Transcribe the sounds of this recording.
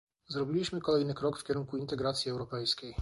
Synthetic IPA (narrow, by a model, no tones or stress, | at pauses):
zɾɔbʲilʲiɕmɘkɔlɛjnɘkɾɔkfkʲɛɾunkuint̪ɛɡɾat̪sʲjiɛwɾɔpɛjskʲɛj